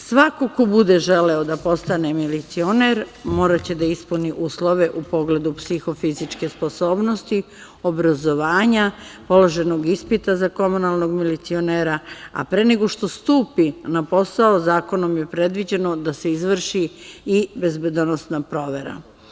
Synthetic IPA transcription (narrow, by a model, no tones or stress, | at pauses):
sʋako̞ko̞bud̪e̞ʒe̞lɛod̪apo̞st̪ane̞milit̪sio̞neɾmo̞ːɾat͡ɕe̞d̪aispuniʔuːslˠo̞ʋe̞ʔupo̞ɡle̞d̪upsixo̞fizit͡ʃke̞spo̞so̞ːbno̞st̪i | o̞bɾazo̞ʋaːɲapo̞lˠo̞ʒe̞noɡispit̪azako̞munalˠno̞ɡmilit̪sio̞neːɾaa̰pɾene̞ɡo̞ʃt̪o̞st̪uːpinapo̞sao̞zaːko̞no̞mjepɾe̞d̪ʋid͡ʑe̞no̞d̪ase̞izʋr̩ʃiibe̞zbe̞d̪onosnapɾo̞ːʋe̞ɾa̰